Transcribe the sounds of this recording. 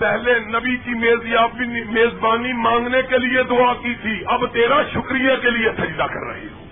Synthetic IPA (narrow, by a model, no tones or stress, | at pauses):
pɛɦlenəbikimeːziaːpbimeːzbaːnimãːŋɡnekelɪed̪ʊaːkit̪ʰiɐbt̪eːɾaʃʊkɾijakelɪesʰɐd͡ʒd̪akə̰ɾːɐ̰ɦḛ